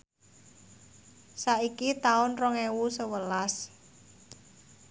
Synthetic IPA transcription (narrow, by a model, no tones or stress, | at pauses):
saʔikit̪aʊnrɔŋewusəwəlas